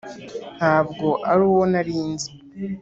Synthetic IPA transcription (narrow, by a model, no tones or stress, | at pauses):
n̥haːbɡo̞ʔaɾuwo̞naɾiːnzi